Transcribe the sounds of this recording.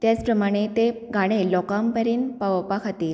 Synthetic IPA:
t̪jat͡spɾəmaɽ̃et̪eɡʱaɽ̃elɔkampəɾiːnpaʋəpakʰat̪iːɾ

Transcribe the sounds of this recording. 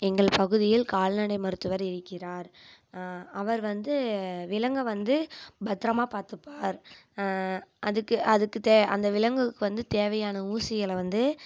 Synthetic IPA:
ɛŋɡɐɭpɐɣɯðɪjɪlkaːlnɐɽɐɪmɐɾɯt̪ːɯʋɐɾɪɾɯkːɪɾaːɾ | ɐʋɐɾʋɐnd̪ɯʋɪlɐŋɡɐʋɐnd̪ɯbɐt̪ːɾɐmaːpaːɾt̪ɯpːaːɾ | ʔɐðɯkːɯɐðɯkːɯt̪eːɐ̰nd̪ɐʋɪlɐŋɡɯkːɯʋɐnd̪ɯt̪eːʋɐjaːnɐuːsɪjɐlʋɐnd̪ɯ

